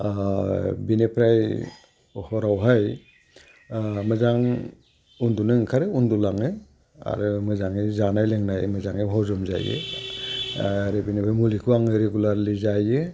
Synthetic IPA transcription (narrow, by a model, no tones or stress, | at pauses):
binepʰɾaj | hɔɾawɦaj | mɯzaŋ | undunɯŋkʰaɾɯundulaŋɯ | a̰ɾɯmɯzaŋizanajleŋnajmɯzaŋiɦɔzɔmza̰jɯ̰ | ɾebinepʰɾajmulikʰuwaŋɯɾeɡulaɾlizajɯ